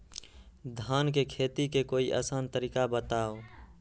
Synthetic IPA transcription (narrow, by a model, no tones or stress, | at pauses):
d̪ʱaːnkekʰeːt̪ikekoːiʔa̰ːsaːnt̪əɾiːkabət̪aːo